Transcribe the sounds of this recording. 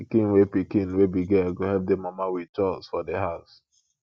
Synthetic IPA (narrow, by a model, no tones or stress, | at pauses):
kĩnwepikĩnwebiɡɛɡohɛp̚demamawit͡ʃɔsfɔdeɦaʊs